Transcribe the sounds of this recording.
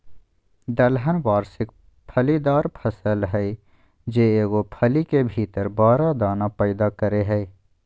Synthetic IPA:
d̪əlɦənwaːɾsɪk | pʰəlid̪aːɾpʰɐsəlɦɛi | d͡ʒeːeːɡopʰəlikebʱiːt̪əɾbaːɾad̪aːnapɛɪd̪akəɾeɦɛe

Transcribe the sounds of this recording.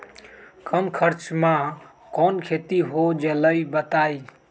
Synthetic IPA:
kəmkʰəɾt͡ʃmã | kɔnkʰet̪iɦod͡ʒeləibət̪ai

